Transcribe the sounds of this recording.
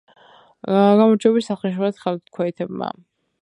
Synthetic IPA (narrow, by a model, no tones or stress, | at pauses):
ɡamɔɾt͡ʃʰɛbisaχɛʃ̬uɾɛt̪χɛlt̪kʰwɛit̪ʰɛb̚ma̰